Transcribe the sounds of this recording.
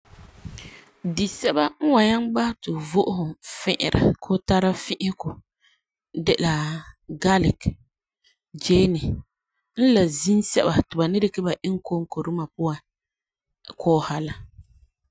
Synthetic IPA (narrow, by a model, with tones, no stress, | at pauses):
di˨sɛ˦ba˦ŋ̩˦wa˨ɲa˦nɡ͡ba˦htɪ˨vʊ˦ʔʊ˦hʊ˨fɪ˦ʔɪ̰˨ɾa̰˨kʰo˦ta˦ɾa˦fɪ˦ʔɪ˦kʊ˨ | dɛ˨la˨ɡa˦lɪ˨k | d͡ʒeː˦nɪ˨ | n̩˦la˨zi˦nsɛ̰˦ba˨tɪ˨ba˨nɪ˦ɾɪ˦kɛ˦ba˨ʔɪ˦ŋ˦ko˦ŋ˦ko˨ɾu˦ma˨pʊ˦a˨ | kʰɔː˦˨ha˨la˨